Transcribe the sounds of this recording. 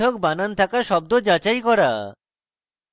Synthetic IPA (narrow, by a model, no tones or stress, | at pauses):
ɔk̚banant̪ʰakaʃɔb̚d̪od͡ʑat͡ɕajkɔɾa